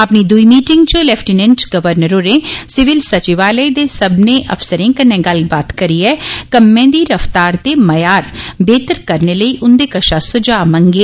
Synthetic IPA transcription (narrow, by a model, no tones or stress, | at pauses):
əpniːd̪ʊiːmiːʈɪŋɡt͡ʃõlɛːpʰʈinɛ̃ɳʈɡəʋəɾnəɾoːɾẽːsɪʋɪlsət͡ʃiʋaːləid̪eːsəbneːʔə̰fsəɾẽːkənːẽːɡəlbaːt̪kəɾiːɛːkəmːẽːd̪iːɾəft̪aːɾt̪eːməjaːɾbeːt̪əɾkəɾneːləiːʔʊnd̪eːkəʃaːsʊd͡ʒaːmə̃ŋɡeː